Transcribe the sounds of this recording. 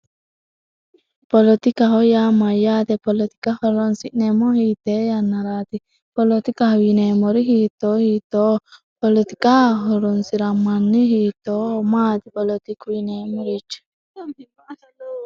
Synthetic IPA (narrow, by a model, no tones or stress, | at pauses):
polɔt̪ikaɦojamajat̪ɛpɔlɔt̪ikahɔɾɔnsiʔnɛmɔhit̪ɛjanːaɾat̪i | pɔlot̪ikahwinemɔɾiɦit̪ɔhit̪o | pɔlit̪i̥kaɦɔɾɔnsiɾamːanːiɦit̪ɔmat̪ipɔlɔt̪ikwinemɔɾit͡ʃː